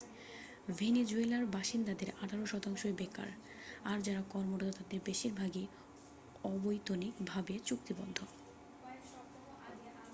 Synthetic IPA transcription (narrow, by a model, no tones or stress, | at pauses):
vʱened͡ʑuelaɾbaʃind̪ad̪eɾaʈʰaɾoʃɔt̪aŋʃoebeka̰ɾ | aɾd͡ʑaɾakɔɾmoɾot̪ot̪ad̪eɾbeʃiɾbʱaɡe | ɔbojt̪onikbʱabet͡ɕuk̚t̪ibɔd̪ʱːo